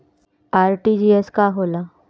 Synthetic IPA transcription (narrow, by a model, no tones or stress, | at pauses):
aːɾʈid͡ʒiːeskaɦoːlaː